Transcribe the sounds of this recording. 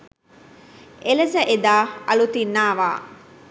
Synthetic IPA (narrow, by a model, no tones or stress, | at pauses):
ʔelɐsəʔed̪aːɐlut̪inːaːʋa̰ː